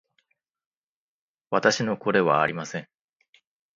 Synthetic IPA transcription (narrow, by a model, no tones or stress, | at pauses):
βat̪aɕino̞ko̞ɾe̞βa̰ːɾʲimasẽ̞ŋ